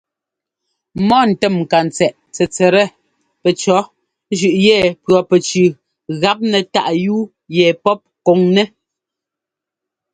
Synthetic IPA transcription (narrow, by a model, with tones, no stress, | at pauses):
mɔ˦n̩˨tɛ˦˨mŋ̩˨ka˨n˨t͡sɛ˨ʔ | t͡sɛ˨t͡sɛ˨ɾɛ˦˨ | pɛ˨t͡ʃɔ˨˦ | ʒʉ˨ʔjɛ˦˨pɰɔ˨pɛ˨t͡ʃʉ˨ | ɣa˨˦p̚nɛ˨ta̰˦ʔjuː˦ | jɛ˨pɔ˦p̚ko˨ŋnɛ˦